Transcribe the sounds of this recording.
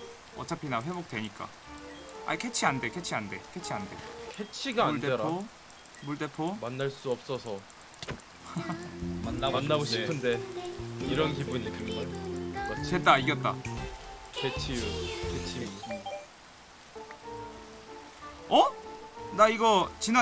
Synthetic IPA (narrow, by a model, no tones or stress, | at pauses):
ʌ̰t͡ɕʰapʰinawe̞bok̚t͈weɲik͈a̰ | a̰ikʰe̞t͡ɕʰiande̞kʰet͡ɕʰiande̞kʰet͡ɕʰiande̞̰kʰet͡ɕʰiɡaauɭteeɾao | muɭt͈e̞pʰomanːaɭs͈uʌp̚s͈ʌsʰʌ | manːamanːaɡoɕʰipʰɯnde̞ | iɾʌnkibuɲikɯɡʌkat͡ɕet̚t͈aiɡjʌt̚t͈a | kʰet͡ɕʰikʰet͡ɕʰi | ʌnaiɡʌt͡ɕina